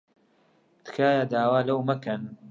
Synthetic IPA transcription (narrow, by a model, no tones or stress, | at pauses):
t̪ɨ̥kʰaːjad̪aːwaːlɐwmɐkɐn